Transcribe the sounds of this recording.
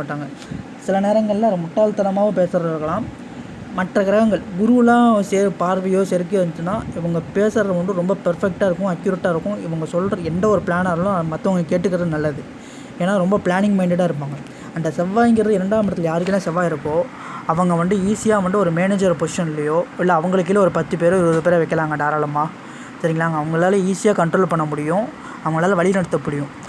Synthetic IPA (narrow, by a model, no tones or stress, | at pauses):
aːʈːaːŋɡɐ | sɪlɐneːɾɐŋɡɐɭlːɐmʊʈːaːlt̪ɐnɐmaːʋɐpeːsɐɾɐɾɯkːɐɭãːm | mɐʈrɐkɐɾɐɣɐŋɡɐɭɡʊɾulãːseːɾpaːɾʋɪjoːsɛɾkːɯʋɐnt̪ɯnːaːɪʋɐŋɡɐpeːsɐɾɐɐʋɐnɳdɯɾɔmbɐpɐɾfɛk̚ʈaːɪɾɯkːʊ̃ɐkjʊɾɛʈːaːɪɾɯkːʊ̃ɪʋɐŋɡɐsɔlːrɐɛnd̪ɐɔɾɯpɭaːnaːɾɐlãmɐt̪ːɐʋɐŋɡɐkeːʈːɯkːɪɾɐðɯnɐlːɐðɯ | eːnːaːɾɔmbɐpɪɭaːnɪŋmɐɪɳɖɪɽaːɪɾɯp̬ːaːŋɡɐ | ɐnd̪ɐsɛʋːaːjŋɡɪɾɐðɯɪɾɐɳɖaːʋmɪɾɐt̪ːɪlɐjaːɾɯkːɪlːãːsɛʋːaːɪɾɯkːõː | ɐʋɐŋɡɐʋɐnɖɯiːsɪjaːʋɐnɖ̪ɯɔɾɯmeːneːd͡ʒɐɾpoːsɪʂɐnɪlːɐjoːɪlːɐːʋɐŋɡɐɭɯk̬ːɪlɐɔɾɯpɐt̪ːɯpeːɾoɪɾɯʋɐðɯpeːɾɐʋɛɪkːɐlaːŋɡɐɳɖaːɾaːlɐmaː | sɐɾɪŋɡɐɭaːɡɐːʋɐŋɡɐɭaːlɐiːsɪjaːkɐɳʈɾoːlpɐɳːɐmʊɽɪjʊ̃ | ɐʋɐŋɡɐɭaːlɐʋɐɭɪnɐɽɐt̪ːɐpːʊɽɪjʊ̃